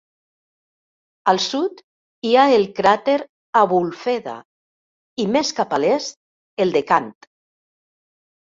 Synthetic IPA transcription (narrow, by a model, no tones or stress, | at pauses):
alˠsut̪ | iaelˠkɾat̪eɾ | aβulfeða̰ | imeskapalest̪̚ | elˠd̪ekant̪